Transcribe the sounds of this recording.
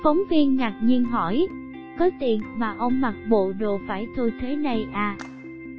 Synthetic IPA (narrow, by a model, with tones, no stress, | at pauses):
fə˨˦wŋ͡mvi˧ənŋaː˨˩t̚ɲi˧ənɦɔ˧˩j | kɔ˨˦t̪ḭ˨˧˨ənmaː˨˩ʔə˧wŋ͡mma˨˩t̚ɓo̰˧˨ɗo˨faː˧˩jt̪ʰo˧jt̪ʰe˨˦nə˧jʔaː˧